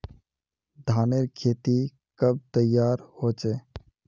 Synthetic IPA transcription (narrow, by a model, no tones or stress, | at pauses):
d̪ʱaːneɾkʰeːt̪i | kəb̚t̪əjːaːɾhoːt͡ʃeː